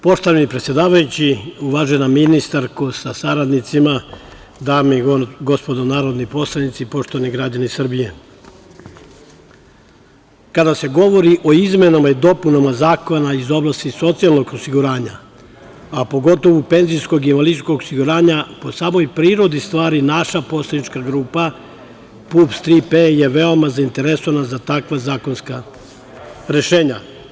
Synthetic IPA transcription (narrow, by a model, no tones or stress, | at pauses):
po̞ʃt̪oʋanipɾet̪sʲje̞d̪aːʋajut͡ɕiuʋaːʒenaminist̪aɾkusasaɾad̪nit̪sima | d̪amiɡo̞spo̞d̪onaːɾod̪nipo̞slad̪nit̪sipo̞ʃt̪oʋaniɡɾad͡ʑanisr̩bije̞ | kad̪ase̞ɡo̞ʋo̞ɾiʔo̞izme̞namaid̪o̞punamazaːkonaizo̞blˠast̪iso̞t̪sialnoɡosiɡuɾaːɲa̰ | apo̞ɡo̞t̪o̞ʋupe̞nzijsko̞ɡimaliskoɡosiɡuɾaːɲapo̞saːmo̞jpɾiːɾo̞d̪ist̪ʋaːɾinaʃapo̞slˠed̪nit͡ʃkaɡɾuːpa | pupst̪ɾipeje̞ʋe̞o̞mazaint̪e̞ɾesoʋanazat̪akʋazaːkonska | ɾe̞ʃeːɲa